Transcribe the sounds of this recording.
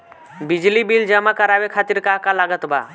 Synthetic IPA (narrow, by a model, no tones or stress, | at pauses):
bid͡ʒlibild͡ʒəmakəɾabekʰat̪iɾkaɦkalaɡət̪ba̰